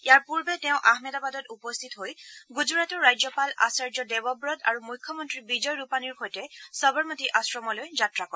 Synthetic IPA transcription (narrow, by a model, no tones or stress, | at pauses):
ijaɹpuɹbɛtɛʊ̃ʔahmɛdabadɔtupɔst̪ʰitɦojɡuzuɹatɔɹːajzɔpala̰saɹd͡ʒɔdɛbɔbɹɔtaɹumujkʰːjɔmɔntɹibid͡ʒɔjɹupaniɹxojtɛsɔbɔɹmɔtiʔasɹɔmɔlojzatɹakɔɛ